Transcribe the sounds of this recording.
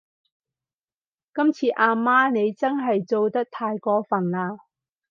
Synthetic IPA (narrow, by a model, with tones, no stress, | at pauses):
kɐ˥mt͡sʰiː˧ʔaː˧maː˥ne˨˧jt͡sɐ˥nɦɐ˨jt͡so˨wt̪ɐ˥k̚t̪ʰaː˧jkɔː˧fɐ˨˩nlaː˧